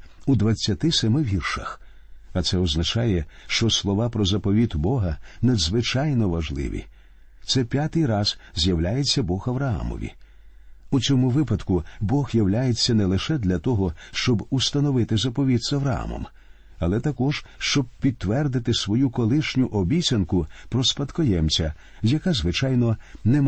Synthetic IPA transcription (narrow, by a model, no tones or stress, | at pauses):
ud̪ʋɐt͡sʲːɐt̪ɪsɛmɪʋʲirʃɐ̰x | ɐt̪sɛɔznɐt͡ʃajɛʃt͡ʃɔslˠɔʋapɾɔzɐpɔʋʲit̪bɔɦɐnɐd̪zʋɪt͡ʃajnɔʋɐʒlˠɪ̰ʋʲḭ | t̪sɛpʲjat̪ɪjɾɑz̥zʲjɐwlʲajet͡sʲːɐbɔxɐʋɾɐɑ̰mɔ̰ʋʲḭ | ut͡sʲɔmʊʋɪpɐd̪kʊbɔxjɐwlʲajet͡sʲːɐnɛlˠɪʃɛd̪lʲɐt̪ɔɦɔʃt͡ʃɔbust̪ɐnɔʋɪt̪ɪzɐpɔʋʲid̪zɐʋɾɐa̰mɔ̰m | ɐlˠɛt̪ɐkɔʒ̥ʃt͡ʃɔb̚pʲid̪̚ʋɛrd̪ɪt̪ɪsʋɔjukɔlˠɪʃnʲʊʔɔbʲit͡sʲɐnkʊpɾɔspɐd̪kɔjɛmt͡sʲɐ | jɐkazʋɪt͡ʃajnɔnɛm